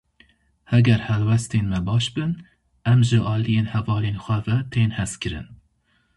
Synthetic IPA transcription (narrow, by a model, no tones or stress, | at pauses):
hɛɡʲɛɾhɛlwɛst̪eːnmɛbɑːʃbɨn | ɛmʒɨʔɑːlijeːnhɛvɑːleːnxʷɛvɛt̪ʰeːnhɛskʰɨɾɨ̰n